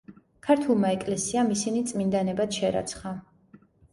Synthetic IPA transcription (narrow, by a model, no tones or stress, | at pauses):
kʰaɾt̪ʰulˠmaɛkʼlɛsiamisinit̪sʼmind̪anɛbad̪ʃɛɾa̰t̪sʰχa